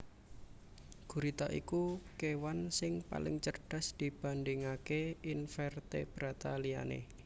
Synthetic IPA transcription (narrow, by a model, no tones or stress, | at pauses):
ɡ̥uɾit̪aʔḭkukewansɪŋpa̰lɪ̰ŋt͡ʃərɖ̥a̤sd̪̥i̤b̥a̤ndɪŋakeinfɛrt̪ḛb̥ɾat̪alia̰nḛ